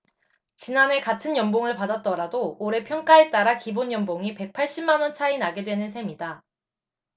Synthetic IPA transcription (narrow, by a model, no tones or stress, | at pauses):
t͡ɕinanɦe̞katʰɯnjʌmboŋɯɭpadat̚t͈ʌɾadooɾe̞pʰjʌŋk͈aet͈aɾakiboɲjʌmboŋipe̞k̚pʰaɭɕ͈imːanwʌnt͡ɕʰainaɡe̞dwe̞nɯnsʰemida